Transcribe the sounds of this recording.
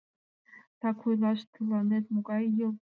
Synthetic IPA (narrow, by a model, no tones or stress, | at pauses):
tʰakʷʰujlaʃtʰɨlanetʼmukʼajɪl